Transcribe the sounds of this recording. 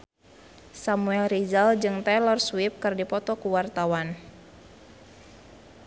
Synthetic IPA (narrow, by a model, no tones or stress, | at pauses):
samuɛlɾizald͡ʒɨŋt̪ɛlɔrswip̚kɨrdipɔt̪ɔkuwart̪awan